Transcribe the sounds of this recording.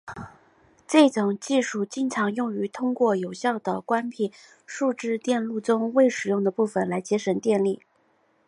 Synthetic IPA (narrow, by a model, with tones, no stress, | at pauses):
ʈ͡ʂe˥˩ʈ͡ʂʊ˨˩ŋt͡ɕi˥˧ʂu˥˩t͡ɕi˥nʈ͡ʂʰɑ˧˥ŋjʊ˥˩ŋy˧˥t̪ʰʊ˥ŋkwɔ˥˩jo˨˩ʊɕjɑ˥˩ʊd̪ə˩kwa˥npʰi˥˩ | ʂu˥˧ʈ͡ʂɻ̩˥˧t̪jɛ˥˧nlu˥˩ʈ͡ʂʊ˥ŋwe˥˩ɪʂɻ̩˨˩jʊ˥˩ŋd̪ə˩pu˥˩fə˩nla˧˥ɪt͡ɕjɛ˥ʂə˧˥nt̪jɛ˥˧nli˥˩